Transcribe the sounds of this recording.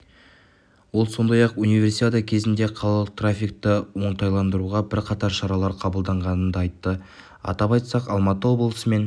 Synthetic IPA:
wo̞lˠso̞nd̪ɑjɑqunijvʲe̞ɾsijt̪ʲet̪əkʲʰe̞zɪnd̪e̞qʰɑlˠɑlˠəq̚t̪rafʲijk̚t̪əwo̞ɴt̪ɑjlˠɑnd̪əɾuʁɑbɪɾqʰɑt̪ɑɾʃɑɾɑlˠɑɾqʰɑbəlˠd̪ɑɴʁɑnənd̪ɑɑjt̪ːə | ɑ̰t̪ɑpɑjt̪sɑqɑlˠmɑt̪əwo̞blˠəsəme̞n

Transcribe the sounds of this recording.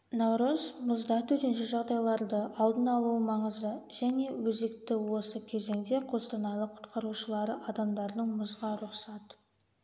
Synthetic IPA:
nɑwɾəzmʊzd̪ɑt̪ʰɵt̪enʃɪʒɑʁd̪ɑjlˠɑɾd̪əʔɑlˠd̪ənɑlˠuəmɑɴəzəʒæne̞wɵzek̚t̪ɪwo̞səkʲʰe̞ze̞ŋd̪e̞qʰo̞st̪ɑnɑlˠəqʰʊ̥t̪qɑɾuʃəlˠɑɾəʔɑd̪ɑmd̪ɑɾd̪əɴmʊzʁɑɾʊqsɑt̪

